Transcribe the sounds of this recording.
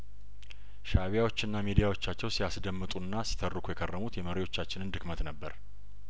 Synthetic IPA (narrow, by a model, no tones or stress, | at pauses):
ʃaβijawo̞t͡ʃːɪnːamid̪ijawo̞t͡ʃːat͡ʃːɛwsiasd̪əmːɨt̪ʼunːasi̥t̪ʰərːɨkʰujɛkʰʼərːəmut̪jɛməɾewo̞t͡ʃːat͡ʃːɪnɨnd̪ɨkmət̪nəbːəɾ